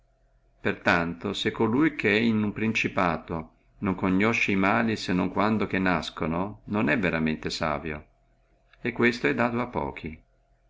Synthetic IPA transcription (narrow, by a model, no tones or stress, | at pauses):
pert̪ant̪osekːolujkʰeɛinumpɾint͡ʃipaːt̪o | noŋkoɲːɔʃːeimaːlisenːoŋkwand̪ok̟enːaskonononɛvːeɾament̪esa̰ːvjo̰ | ekːwest̪oɛd̪ːaːt̪oapːɔ̰ːkʰi